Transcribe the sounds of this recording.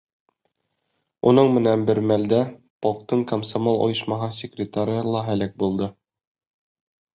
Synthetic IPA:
unɤɴmɘ̆nænbɘɾmæld̪æ | pɒq̚t̪ɤɴkɐmsomolˠo̰jɤ̆ʃmɑɦɑsʲɪkrʲɪt̪aɾʲlˠɑɦælæk̚bulˠd̪ɤ

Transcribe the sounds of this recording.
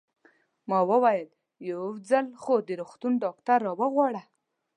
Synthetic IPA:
mɑwəwajəl | jawd͡zalxod̪əɾuxt̪unɖɑkt̪aɾːɑwəɣwɑɽa

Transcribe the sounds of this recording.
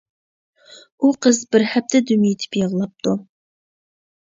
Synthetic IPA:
uqʰəzbɪɾhɛp̚t̪ʰɛd̪ymit̪ʰɪ̥pjeʁlˠɑp̚t̪ʰu

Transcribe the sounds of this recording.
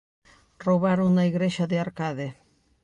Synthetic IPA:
roβaɾoŋnaiɣɾeʃaðɪaɾkaðe

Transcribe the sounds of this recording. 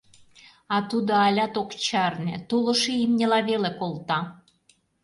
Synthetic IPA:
ɑt̪ud̪oɑlʲɑt̪okt͡ɕɑrnĕt̪ulɤ̆ʃeimnʲelɑβelekolt̪ɑ

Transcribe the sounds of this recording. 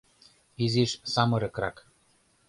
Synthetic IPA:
iziʃsɑmɤ̆ɾɤ̆kɾɑ̰k

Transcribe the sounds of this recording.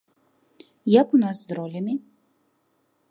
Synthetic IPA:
jakunaszd̪ɾɔlʲami

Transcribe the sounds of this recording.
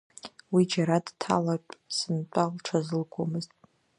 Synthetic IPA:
wid͡ʒaɾadtʰa̰laʈ͡ʂʼsɨnt͡pʷʼalʈ͡ʂʷʰazɨlɡʷʰʼomɨztʼ

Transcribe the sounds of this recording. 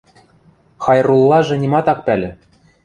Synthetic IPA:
xɑjrulˠːɑʒɤ̆nʲimɑt̪ɑk̚pælʲɘ̆

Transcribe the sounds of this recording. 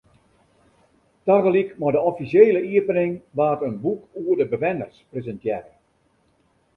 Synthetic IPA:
taɣəlikmɔdəɔfisjeːləiəpənɪŋʋaːtənbukuərdəbəʋɛnərsprezəntjɛrə

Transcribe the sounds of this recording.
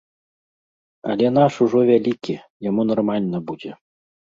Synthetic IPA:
a̰lʲɛnaʂuʐɔvʲælʲikʲi | jamunɐrmalʲnəbud͡zʲe

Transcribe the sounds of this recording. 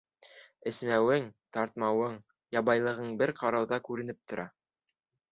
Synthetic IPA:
ɘ̆smæwɘŋt̪ɑɾt̪̚mɑwɤɴ | jɑbɑjlˠɤ̆ʁɤɴbɘɾqɑɾɑwðɑkʉɾɘ̆nɘp̚t̪ŏɾɑ

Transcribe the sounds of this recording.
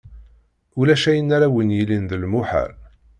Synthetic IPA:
ulæʃæjənːaɾawənjilinðəlmʊħə̰ɾ

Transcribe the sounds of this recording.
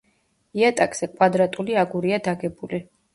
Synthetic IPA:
iat̪ʼakʼz̥ɛkʼwad̪ɾat̪ʼuliaɡuɾiad̪aɡɛbuli

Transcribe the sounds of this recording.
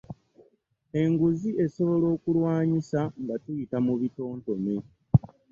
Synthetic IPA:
e̞ŋɡuzie̞so̞βo̞lo̞ːkulwaːɲisaŋɡatujitamuβito̞ːnto̞ne

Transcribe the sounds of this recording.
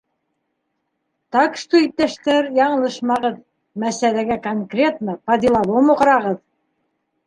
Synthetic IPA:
t̪ɑkʃt̪uit̪ːæʃt̪æɾjɑɴɤ̆lˠɤʃmɑʁɤð | mæsælæɡækoŋkrʲet̪nɑpɑd̪ilˠɑβˠomoqɤ̆ɾɑʁɤð

